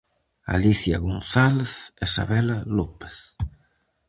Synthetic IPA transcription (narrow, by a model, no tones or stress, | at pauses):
a̰liθjɐɣonθaleθesa̰βɛlalope̥θ